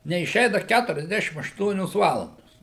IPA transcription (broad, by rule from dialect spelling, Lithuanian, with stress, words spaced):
nʲɛɪˈʃʲɛɪnɐ ˈkʲætʊrʲɛzʲˌdʲæːʃʲɪm ɐʃˈtuɔnʲoːs ˈʋɑːlˠɐndoːs